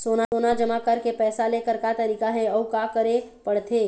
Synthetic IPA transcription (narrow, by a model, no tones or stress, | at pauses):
soːnaoːnad͡ʒəmakəɾkepɛːsaleːkəɾkat̪əɾiːkaɦɛɔukakəɾepəɽ̤t̪ʰeː